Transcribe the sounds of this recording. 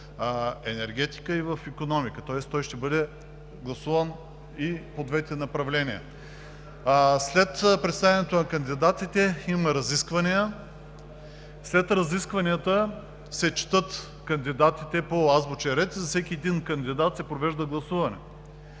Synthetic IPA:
ɛnɛɾɡʲɛt̪i̥kəivəfikonɔmikət̪ɔɛst̪ɔjʃt̪ɛbɤd̪ɛ | ɡlˠɐsuvɐn | ipod̪vɛt̪ʲnɐpɾɐvlɛniə̰ | slɛt̪pɾɛt̪st̪avʲɛnɛt̪onɐkɐnd̪id̪at̪it̪ɛimɐɾɐziskvɐnijə | slɛt̪ɾɐziskvɐniət̪ə | sɛt͡ʃɛ̥t̪ɤt̪ | kɐnd̪id̪at̪it̪ɛpoazbot͡ʃɛɾɛt̪izɐsɛkʲiɛd̪inkɐnd̪id̪at̪sɛpɾovɛʒd̪ɐɡlˠɐsuvɐnɛ

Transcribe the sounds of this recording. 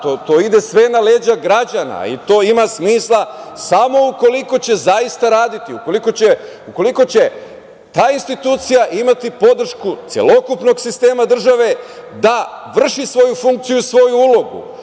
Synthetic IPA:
t̪ot̪o̞ːid̪e̞sʋe̞naleːd͡ʑaɡɾad͡ʑana̰ḭt̪o̞ːimasmiːslˠasamo̞uko̞liko̞t͡ɕe̞zaist̪aɾaːd̪it̪iuko̞liko̞t͡ɕe | uko̞liko̞t͡ɕe̞ | t̪aːinst̪it̪uːt̪sijaʔimat̪ipo̞d̪r̩ʃkut̪sʲje̞̰lˠo̞kupno̞ɡsist̪e̞ːmad̪r̩ʒaʋe̞ | d̪aʋr̩ʃisʋo̞jufuŋk̚t̪sijuisʋo̞juulo̞ɡṵ

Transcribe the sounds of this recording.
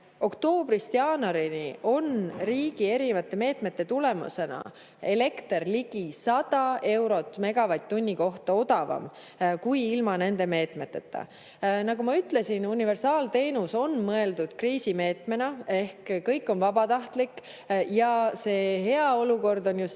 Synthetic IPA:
o̞kt̪o̞ːb̥rist̪jɑːnɑɾiniʔo̞nriːɡ̥ie̞ɾinevɑt̪ːˑe̞me̞ːt̪me̞t̪ːe̞t̪ule̞mṵse̞nɑ̰ | e̞le̞kt̪erliɡ̥isɑd̪̥ɑe̞wɾo̞t̪ˑːme̞ɡ̥ɑvɑjt̪ːunʲːiko̞ht̪ɑo̞d̪ɑvɑ̰m | kujilmɑne̞nd̪e̞me̞ːt̪me̞t̪ːet̪ːˑɑ̰ | nɑɡumɑyt̪ˑle̞sinunive̞rsɑːlt̪e̞ːnuso̞nmɤe̞ld̪ud̪̥kriːsime̞ːt̪me̞nɑe̞hkkɤjkːˑo̞nvɑbɑt̪ɑht̪lik | jɑse̞ːɦe̞ɑo̞luko̞rd̪o̞njus

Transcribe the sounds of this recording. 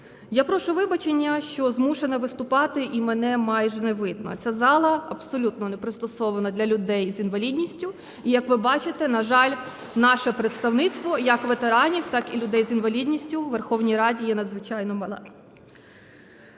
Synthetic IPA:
japɾɔʃʊʋɪbɐt͡ʃenʲːɐʃt͡ʃɔzmuʃenɐʋɪst̪ʊpɑt̪ɪʔimenɛmɑjʒɛneʋɪd̪̚nɔ̰t͡sʲazɑlˠɐɐbsɔlʲut̪nɔnepɾɪst̪ɔsɔʋɐnɐd̪lʲɐlʲʊd̪ɛjzinʋɐlʲid̪ʲnʲisʲtʲʊ | ijɐkʋɪbɑt͡ʃɪt̪ɛnɐʒɑlʲ | nɑʃɛpɾet̪st̪ɐwnɪt̪st̪ʋɔjɐkʋet̪eɾɑnʲiwt̪ɑkilʲʊd̪ɛjzʲinʋɐlʲid̪ʲnʲisʲtʲʊʋerxɔwnʲijɾɑdʲijɛnɐd̪zʋɪt͡ʃɑjnɔmɐlˠɛ

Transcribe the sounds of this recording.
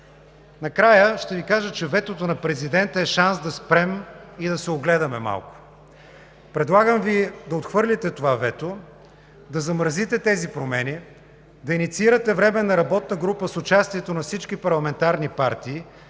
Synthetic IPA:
nɐkɾajəʃt̪ɛvikaʒət͡ʃɛvɛt̪ot̪onɐpɾɛzid̪ɛnt̪əɛʃansd̪ɐspɾɛmid̪ɐsɛoɡlɛd̪ɐmɛma̰lˠkʊ̥ | pɾɛd̪lˠaɡəmvid̪ɐot̪xvɤɾlʲit̪ɛt̪ovavɛt̪o | d̪ɐzɐmɾəzit̪ɛt̪ɛzipɾomɛni | d̪ɐinit̪siiɾət̪ɛvɾɛmɛnɐɾɐbɔt̪nəɡɾupəsʊt͡ʃast̪iɛt̪onɐfsit͡ʃkipɐɾlˠɐmɛnt̪aɾnipaɾt̪iː

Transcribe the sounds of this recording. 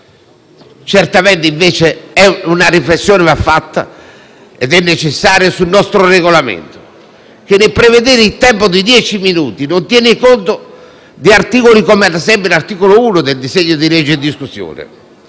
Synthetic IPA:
t͡ʃɛɾt̪amɛnt̪eiɱvɛːt͡ʃeɛunaɾiflesːjɔːnɪvafːat̪ːa̰ | ɛd̪ɛnːet͡ʃesːaːɾjasunːɔst̪ɾoreɣolamḛnt̪o̥ | k̟enːepɾeved̪eːɾit̪ɛmpod̪id̪jɛːt͡ʃiminṵːt̪inont̪jɛːnikont̪o | d̪iart̪iːkolikomead̪asɛmpinart̪iːkolouːnod̪eld̪iseɲːod̪ilɛd͡ʒːeːd̪ːiskusjɔ̰ːnɛ̰

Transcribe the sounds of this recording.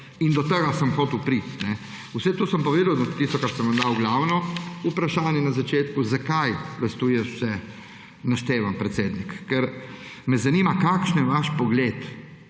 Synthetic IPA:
ind̪ɔt̪əɡasəmxɔːt̪uwpɾit̪nɛ | usɛt̪oːsəmpɔʋeːd̪ɐwnɔt̪ːist̪ɔkaɾsəmʋɐmd̪awɡlawnɔupɾaʃaːnjɛnazat͡ʃeːt̪kuzakajʋɐst̪ujɛʃsɛ | naʃt̪eːʋampɾɛt̪seːd̪nikːɛɾ | mɛzaniːmakaːkʃnjɛʋaʃpɔɡlet̪

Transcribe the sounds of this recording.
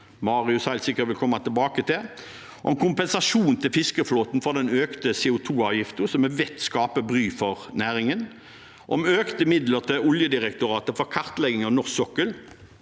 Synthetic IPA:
mɑːʁɪʉshæɪlsɪkːət̪ʋɪlkʰɔmːɑt̪ʰɪlbɑːkət̪ʰɪl | ʔɔ̰ɛnkʰʊmpɛnsɑʃuːnt̪ʰɪlfɪskəfloːt̪n̩fɔʁd̪ɛnøːkt̪əseːʊt̪ʰuːɑːʋjɪft̪əsɔmɛʋɛt̪skɑːpəbʁyːfɔʁnæːʁɪŋən | ʔɔmøːkt̪əɪmɪd̪ləʁt̪ʰɪɔljəd̪ɪʁɛkt̪ʊɾɑːt̪əfɔʁkʰɑʁt̪lɛɡɪŋɔnɔʁsɔkːəl

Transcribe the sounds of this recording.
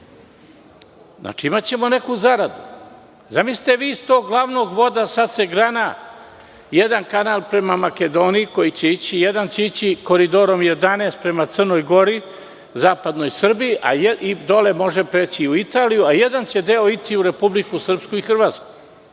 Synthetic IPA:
zna̰ːt͡ʂiimat͡ɕe̞mone̞kuzaɾad̪u | zamisli̥t̪eʋiːst̪o̞ːɡɡlˠaʋno̞ːɡʋo̞d̪asat̪seɡɾana | jed̪ankanaːlˠpɾe̞mamake̞d̪o̞ːniiko̞jit͡ɕe̞it͡ɕijed̪ant͡ɕeit͡ɕiko̞ɾid̪o̞ɾo̞mje̞d̪aneːst̪̚pɾe̞mat̪sərno̞jɡo̞ɾi | zaːpad̪no̞jsr̩bijiʔa̰jid̪o̞le̞mo̞ʒepɾet͡ɕiuit̪aːlijuajed̪ant͡ɕe̞d̪e̞o̞it̪ʰiuɾe̞publikusr̩pskuixr̩ʋaːt̪sku̥j

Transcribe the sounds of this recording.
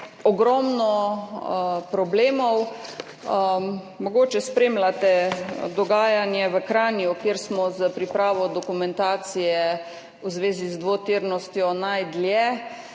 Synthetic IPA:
ɔɡɾɔmnɔ | pɾɔbleːmɔw | mɔɡoːt͡ʃɛspɾeːmlat̪ɛd̪ɔɡaːjanjɛʋəkɾaːnjukeːɾsmɔzəpɾipɾaːʋɔd̪ɔkumɛnt̪aːt̪sijɛ | uzʋeːzizd̪ʋot̪iɾnɔst̪jɔnajd̪ljɛ

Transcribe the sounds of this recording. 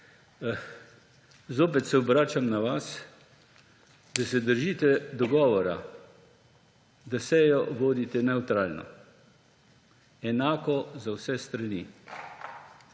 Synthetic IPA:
zoːp̬ɛt̪sɛɔbɾaːt͡ʃamnaʋas | d̪asɛd̪əɾʒiːt̪ɛd̪ɔɡɔːʋɔɾa̰ | d̪asɛjɔʋoːd̪it̪ɛnɛut̪ɾaːlnɔ̰ | ɛnaːkɔzawsɛst̪ɾani

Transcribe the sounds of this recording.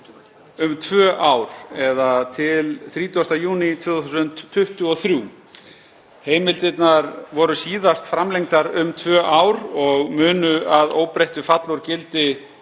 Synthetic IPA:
ʏmt̪ʰvœːʔawɾ̥ɛðat̪ʰɪlθɾiːt̪uast̪ajuːnit̪ʰvʏːθθusʏnt̪ʰːʏht̪ʏɔθɾjuː | heːjmɪlt̪ɪt̪naɾvɔɾʏsiːðast̪fɾamlejŋt̪aɾʏmt̪ʰvœːʔawɾɔɣmʏːnʏaðoːwpɾejht̪ʏfat̪lɔɾcɪlt̪ɪ

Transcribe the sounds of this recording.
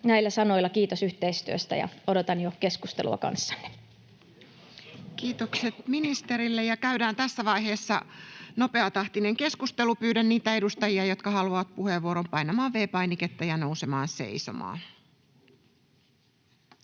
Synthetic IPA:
næilːæsɑnoilːˑɑkiːt̪osyht̪eist̪yøst̪æ̰jɑ̰odot̪ɑnjokeskust̪ḛlṵɑ̰kɑ̰nsːɑ̥nːe̥ | kiːt̪okset̪minist̪e̞ɾilːejɑkæyɥdæːnt̪æsːæʋɑiɦe̞ːsːɑno̞pe̞ɑt̪ɑht̪ineŋke̞skust̪e̞lupyːdænːiːt̪æe̞dust̪ɑjiɑjo̞t̪kɑhɑluɑʋɑt̪̚puheʋːuoɾompɑjnɑmɑːʋʋe̞ːpɑjniket̪ːɑjɑno̞use̞mɑːnse̞̰iso̞̰mɑ̰ː

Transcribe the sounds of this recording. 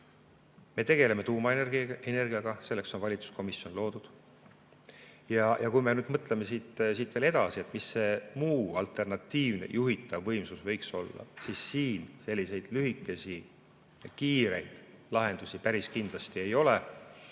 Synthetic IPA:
me̞t̪e̞ɡ̥e̞le̞me̞t̪uːmɑene̞rɡ̥ijɑɡ̥ɑse̞lːe̞kso̞nvɑlʲit̪su̥sko̞misjo̞nlo̞ːd̪̥ud̪̥ | jɑjɑkujme̞nyːd̪mɤt̪ːˑle̞me̞siːt̪siːt̪ːˑve̞le̞d̪̥ɑsie̞t̪ˑmisːe̞muːɑlt̪ˑe̞rnɑt̪ːˑiːvne̞̰jʔuɦit̪ːˑɑvːɤ̞jmsusvɤ̞jkso̞lːɑ̰sisːiːnse̞lʲːise̞jd̪̥lyɦikːˑe̞sʲi | kiːɾe̞jd̪̥lɑɦe̞nd̪̥usipæɾiskind̪̥lɑst̪ie̞jo̞le

